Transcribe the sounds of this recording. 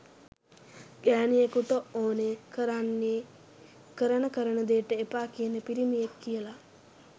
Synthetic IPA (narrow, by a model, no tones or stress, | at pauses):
ɡ̥æːnijekuʈəoːnekəɾanːe | kəɾənəkəɾənəd̪ejːʈəepaːkijənəpiɾimijekːijəla